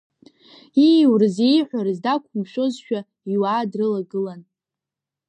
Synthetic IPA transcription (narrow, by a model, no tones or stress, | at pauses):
iwrɨzejħʷaɾɨzdakʷʰumʃᶣo̞zʃᶣa | iwaːdrɨlaɡɨlan